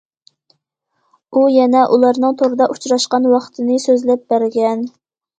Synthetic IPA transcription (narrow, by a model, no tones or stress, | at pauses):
ujɛnɛʔulˠɑɾnɨŋt̪ʰoɾɨd̪ɑʔu̥t͡ʃʰɾɑʃqɑnwɑχt̪ʰɨnɨsøzlɛp̚bæɾɡʲɛn